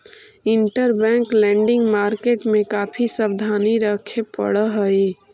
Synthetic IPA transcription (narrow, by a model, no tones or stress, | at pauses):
iɳʈəɾbɛ̃ŋklɛ̃ɳɖɪŋɡmaɾkeʈmekapʰisəbd̪ʱaniɾəkʰepə̰ɽəɦəi